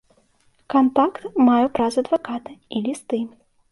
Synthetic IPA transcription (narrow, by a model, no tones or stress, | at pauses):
kant̪akt̪majupɾazɐd̪vakat̪ɨilʲist̪ɨ